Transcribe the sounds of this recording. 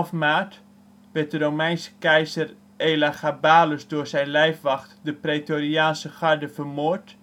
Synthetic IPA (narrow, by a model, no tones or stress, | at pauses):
fmaːt | ʋɪt̚dərowmɛjnsə̥kɛjzər | ejlaxabaːləsdʊːɹsɛjnlɛjfʋɑxtdəpretoriaːnsəχɑɹdəfərmoːɹt